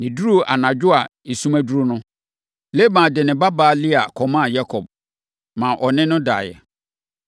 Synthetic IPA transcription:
nɪ̃˨du˦ɾu˦˨ʔa̰˨nã˨d͡ʑᶣʊ˦a˨i˨sũ˦mæ̃˦du˦ɾu˦nʊ̃˦ | le˦mã˨dɪ˨nɪ̃˨ba˦baː˨˦lɪ˦a˨kʰɔ˨mã˦˨ja˦kʰɔ˨b̚ | mã˨ʔɔ˨nɪ̃˦nʊ̃˦da̰ː˨jɛ̰˨

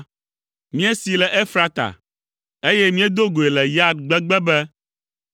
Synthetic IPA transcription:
mĩ˦e˦si˨lɛ˨ʔe˦fɾa˦t̪a̰˨ | e˦jɛ˦mĩ˦e˦d̪o˦ɡo˨e˨lɛ˨ja˦d̪̚ɡ͡bɛ˦ɡ͡bɛ˦bɛ˦

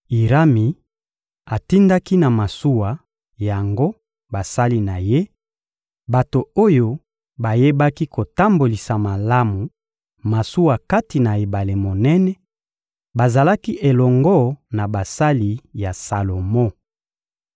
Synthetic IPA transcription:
i˨ʁa˦mi˨ | a˨ti˦nda˦ki˦na˨ma˨su˦wa˨ | ja˨ŋɡo˦ | ba˨sa˦li˦na˨je˦ | ba˨to˨o˦jo˦ | ba˨je˦ba˦ki˦ko˨ta˦mbo˨li˨sa˨ma˨la˦mu˨ | ma˨su˦wa˨ka˦ti˨na˨e˨ba˨le˨mo˨nɛ˦nɛ˦ | ba˨za˨la˦ki˦ʔe˨lɔ˨ŋɡɔ˦na˨ba˨sa˦li˨ja˨sa˨lo˨mɔ˦

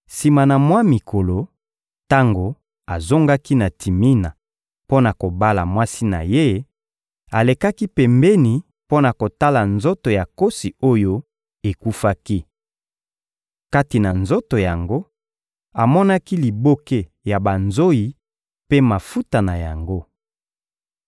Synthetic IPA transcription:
si˨ma˨na˨mwa˦mi˨kʰo˨lo˨ | ta˦ŋɡo˨ | a˨zo˦ŋɡa˦ki˦na˨tʰi˨mi˦na˨ | po˦na˨ko˨ba˦la̰˨mwa˦si˦na̰˨je˦ | a˨le˨ka˦ki˦pɛ˨mbɛ˦ni˨ | po˦na˨ko˨ta˦la˨nzo˦to˨ja˨ko˦si˨o˦jo˦ | e˨ku˦fa˦ki˦ | ka˦ti˨na˨nzo˦to˨ja˨ŋɡo˦ | a˨mɔ˦na˦ki˦li˨bo˦ke˦ | ja˨ba˨nzo˦ji˨ | pe˦ma˨fu˦ta˨na˨ja˨ŋɡo˦

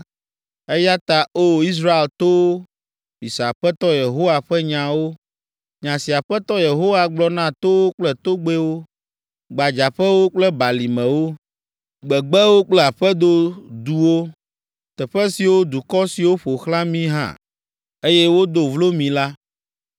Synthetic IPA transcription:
e˦ja˦t̪a˨o˦˨i˦s̬ɾa˦e˨lt̪o˦ | mĩ˨sa˨ɸɛ˦t̪ɔ˦je˨ɦo˦wa˨ɸɛ˦ɲã˨wo˦ | ɲã˨si˨a˨ɸɛ˦t̪ɔ˦je˨ɦo˦wa˨ɡ͡blɔ˦nã˦t̪o˦wo˦k͡plɛ˨t̪o˦ɡ͡be˦wo˦ | ɡ͡ba˨d͡ʒa˨ɸɛ˦wo˦k͡plɛ˦ba˨li˨mɛ̃˨wo˦ | ɡ͡bɛ˨ɡ͡bɛ˦wo˦k͡plɛ˦a˨ɸɛ˦d̪o˦d̪u˨wo˦ | t̪ɛ˨ɸɛ˦si˨wo˦d̪u˨kɔ˦si˨wo˦ɸo˨xlã˦mĩ˦ɦã̰˦˨ | e˦jɛ˦wo˦d̪o˨vlo˦mĩ˨la˦

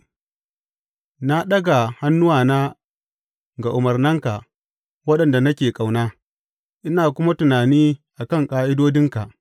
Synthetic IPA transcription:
na˦ɗɐ˦ɡa˨ha˦nːʊ˦waː˨naː˦ | ɡa˨ʔʊ˨mɐ˨rnɐ˦ŋka˨ʔ | wɐ˦ɗɐ˨nda˨nɐ˦kʲeː˨kʼa˨wnaː˦ | ʔɪ˦naː˨kʷʊ˦ma˦tʊ˨naː˨niː˦ʔa˨kɐ˦˨ŋkʼaː˦ʔɪ˦doː˦dɪ˦ŋka˨ʔ

